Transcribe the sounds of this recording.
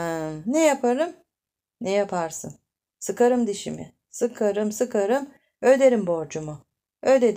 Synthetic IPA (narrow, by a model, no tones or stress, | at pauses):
nɛjapʰaɾɯm | nɛjapʰaɾsɯ̰n | sɯkaɾɯmd̪iʃḭmɪ̰ | sɯkʰaɾɯmsɯkʰaɾɯm | ø̞d̪e̞ɾimbo̞ɾd͡ʒumʊ | ød̪ed̪